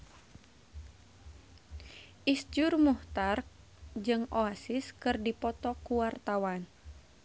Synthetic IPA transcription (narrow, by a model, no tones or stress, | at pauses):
ʔisd͡ʒʊrmuht̪ark | d͡ʒɨŋoasɪskɨrdipɔt̪ɔkuwart̪awan